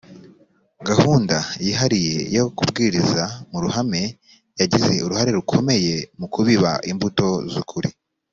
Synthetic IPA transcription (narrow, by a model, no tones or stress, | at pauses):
ɡahuːndajiːɦaɾije̞jokubɡiːɾizamuɾuhame̞ | jaɟize̞uɾuhaɾe̞ɾukʰo̞me̞je̞mukʰuβiβaʔimbuto̞zukʰuɾi